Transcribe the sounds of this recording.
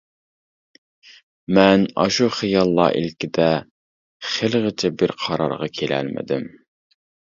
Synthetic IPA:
mɛnɑ̰ʃuχijɑlˠːɑ̰ːʔḭlkʲɪd̪ɛ | χelʁɪt͡ʃʰɛbɪɾqʰɑɾɑ̰ɾʁɑkʲʰelɛ̰lmɪ̰d̪ɪm

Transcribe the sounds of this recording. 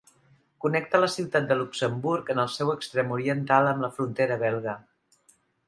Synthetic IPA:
kunɛk̚t̪ələsiwt̪at̪̚d̪əluksəmbuɾkənəlˠsɛwəkst̪ɾɛmuɾiənt̪alˠəmləfɾunt̪eɾəβɛlˠɣə

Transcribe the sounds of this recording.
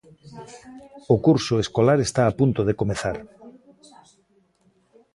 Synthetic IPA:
okuɾsoeskolaɾest̪aːpunt̪oð̞ekomeθaɾ

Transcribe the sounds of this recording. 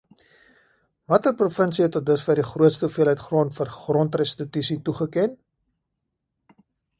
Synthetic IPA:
mɐtəprufənsiɛtɔt̚dəsfərdiχruətstəfiəlɦəjtχroəntfərχrɔntrɛstitysituχəkɛn

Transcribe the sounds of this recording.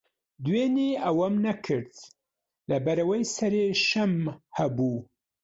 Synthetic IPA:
d̪weːneɐwɐmnɐkʰɨɾt̪ | lɐbɐɾɐwɐjsɐɾeːʃɐmhɐbuː

